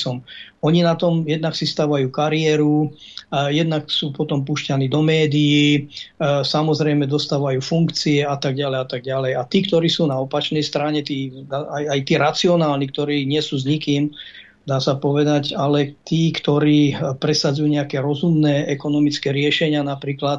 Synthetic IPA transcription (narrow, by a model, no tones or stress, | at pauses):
sɔmɔɲinat̪ɔmjɛd̪naksist̪aːʋajuːkaɾiɛɾu | jɛd̪naksuːpɔt̪ɔmpuːʃcaniːd̪ɔmɛːd̪iji | samɔzɾɛjmɛd̪ɔst̪aːʋajuːfuŋkt͡siɛat̪aɡɟalɛjat̪aɡ̚ɟalɛjat̪iːkt̪ɔɾiːsuːnaɔpat͡ʃnɛjst̪ɾaɲɛt̪iːd̪aajajt̪iːɾat͡siɔnaːlnik̚t̪ɔɾiːɲɪɛsuːzɲikiːm | d̪aːsapɔʋɛd̪acalɛt̪iːkt̪ɔɾiːpɾɛsad͡zujuɲɛakɛɾɔzumnɛːʔɛkɔnɔmit͡skɛɾɪɛʃɛɲɪanapɾiːklat̪